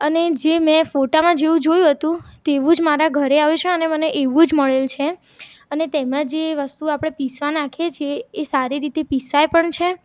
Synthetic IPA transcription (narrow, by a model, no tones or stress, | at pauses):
əned͡ʒemɛ̃foʈamãd͡ʒeʋũd͡ʒojũɦət̪ũt̪eʋũd͡ʒmaɾaɡʱəɾeaʋut͡ʃʰeəneməneʔeʋũd͡ʒməɭelt͡ʃʰe | ənet̪emãd͡ʒeʋəst̪uapɽ̃episʋanakʰet͡ʃʰjeːsaɾiɾit̪episajpəɳt͡ʃʰe